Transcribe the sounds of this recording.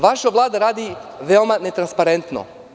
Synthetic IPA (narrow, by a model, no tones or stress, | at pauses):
ʋaʃaʋlˠaːd̪aɾaːd̪iʋeomane̞t̪ɾanspaɾent̪no̰